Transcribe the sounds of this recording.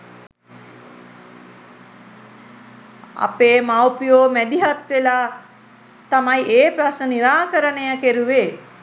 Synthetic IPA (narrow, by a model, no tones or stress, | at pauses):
a̰peːmawpijoːmæd̪iɦat̪ʋelaː | t̪amajʔeːpɾasnəniɾaːkəɾənejakeɾuʋeː